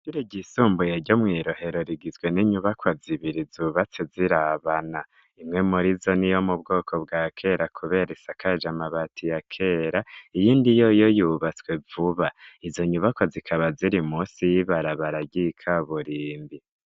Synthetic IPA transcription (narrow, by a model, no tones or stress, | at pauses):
ɟiɾiɟisuːmbujeɾɟo̞mŋiːɾo̞he̞ɾo̞ɾiɡizɡwe̞niɲuβakwaziβiɾizuːβat͡seziɾaβana | imŋe̞muɾizonijo̞mub̚ɡo̞ːkʰo̞bɡaːkʰe̞ɾakʰuβe̞ɾesakʰad͡ʒamaβatʰijakʰe̞ːɾaijiːndijo̞jo̞juβat͡swe̞vuβaizo̞ɲuβakwazikʰaβaziɾimuːsijiβaɾaβaɾaɟikʰaβuɾiːmbi